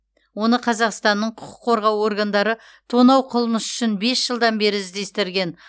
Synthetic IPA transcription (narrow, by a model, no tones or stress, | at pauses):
wo̞nəqʰɑzɑqst̪ɑnːəɴqʰʊqʰʊ̥qʰːo̞ɾʁɑwo̞rɡand̪ɑɾə | t̪ʰo̞nɑwqʰʊlˠməsʏ̥ʃɪnbe̞sʒ̥əlˠd̪ɑnbe̞ɾɪɪzd̪e̞st̪ɪɾɡʲe̞n